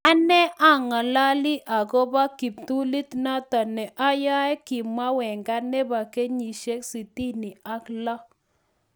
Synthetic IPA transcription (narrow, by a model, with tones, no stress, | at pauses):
a˦nɛ˦ʔa˦ŋa˨la˦li˦ʔa˨ɡɔ˦ba˦ki˨p̚tu˦li˦tna˦ta˨nɛ˨ʔa˦ja˦ɛ˦kɪ˨ma˦wɛ˨ŋɡa˦nɛ˦ba˨ke˦ɲi˨ʃe˦ksi˨ti˦ni˨a˦klɔ˦